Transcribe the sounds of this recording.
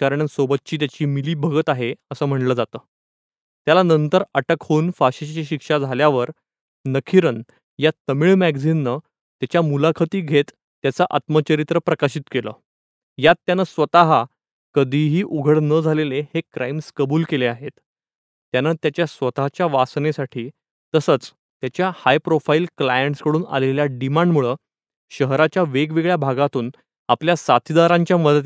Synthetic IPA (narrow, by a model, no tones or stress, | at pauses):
aɾəɳ̃ənsobət̪̚t͡ɕiːt̪jat͡ɕiːmiliːbʱəɡət̪aɦeəsəːm̤əɳləːd͡zat̪əː | t̪jalanənt̪əɾəʈəkhonfaɕit͡ɕt͡ɕeɕikʂad͡zʱaljaʋəɾ | nəkʰiɾən | jat̪əmiːɭmæɡd͡zinːə | t̪jat͡ɕjamulakʰət̪iːɡʱet̪ː | jat͡saʔat̪mət͡ɕəɾit̪ɾəpɾəkaɕit̪kelə̰ː | jat̪ːjanəsʋət̪aɦa | kəd̪ʱiːɦiːʔuɡʱəɽnəd͡zʱalelehekɾʔajmskəbuːlkeleaɦet̪ | t̪janat̪jat͡ɕjasʋət̪aɦat͡ɕjaʋasnesaʈʰiː | əsət͡s | t̪jat͡ɕjahajpɾofailklajəɳʈskəɽuːna̰leljaɖimãɳɖmuɭəː | ɕəɦɾat͡ɕjaʋeɡʋeɡɭjabʱaɡat̪uːn | apljasat̪ʰid̪aɾãɲt͡ɕjaməd̪ət̪